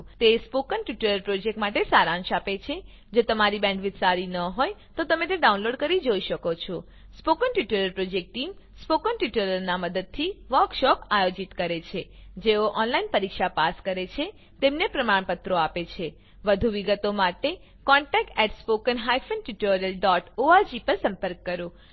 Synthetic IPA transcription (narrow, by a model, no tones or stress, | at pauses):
t̪espokənʈiʈuləɾpɾod͡ʒek̚ʈmaʈesaɾãnʃapet͡ʃʰe | d͡ʒot̪əmaɾibɛ̃ɳɖʋɪd̪saɾinəɦojt̪ot̪əmẽt̪eɖaunloɖ̚kəɾid͡ʒoiʃəkot͡ʃʰo | spokənʈiʈuləɾpɾod͡ʒek̚ʈʈim | spokənʈiʈeləɾnaməd̪əd̪̚t̪ʰiʋəɾkʃɔpajod͡ʒit̪kəɾet͡ʃʰed͡ʒeoʔɔnlainpəɾikʃapaskəɾet͡ʃʰe | t̪emnepɾəmaɳ̃pət̪ɾoapet͡ʃʰe | ʋəd̪ʱuʋiɡət̪omaʈe | kɔɳʈɛk̚ʈɛʈspokənɦajfənʈiʈoɾijəlɖɔʈoad͡ʒipəɾsə̃mpəɾkːəɾo